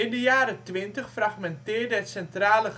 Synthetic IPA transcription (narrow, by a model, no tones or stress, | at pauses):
ɪndəjaːɾətʋɪntəχfraχmɛntɪːɹdəɦətsɛntraːlə